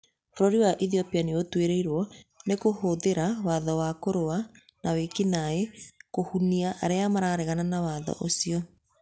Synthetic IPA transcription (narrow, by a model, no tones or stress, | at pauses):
foɾɔɾiwaʔiθiɔpianeotweɾeiɾwɔnekohoðeɾawaðɔwakoɾoa | nawekinaekohuniaʔːɾeamaɾaɾeɣananawaðɔ̰ʔosiɔ